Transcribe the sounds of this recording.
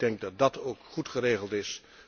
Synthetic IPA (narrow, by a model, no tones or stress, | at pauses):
dɛŋk̚dɑt̚dɑtowkχutχəreːχəlˠtɪs